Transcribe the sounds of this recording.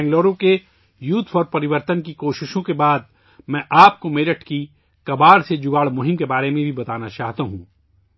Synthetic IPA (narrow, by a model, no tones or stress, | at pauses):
ɛ̃ːŋɡloːɾõke | juːt̪ʰpɔɾpɐɾɪʋəɾt̪ənkikoːʃɪʃõkebaːd̪ | mɛ̃ːʔaːp̚komeːɾəʈʰki | kɐbaːɾsed͡ʒʊɡaːɭmʊɦɪ̃mkebaːɾemẽbʱibɐt̪aːnat͡ʃaːɦt̪aɦũː